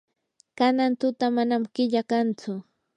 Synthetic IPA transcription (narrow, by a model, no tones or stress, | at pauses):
kanant̪ʊt̪amanamkɪʎakant͡sʊ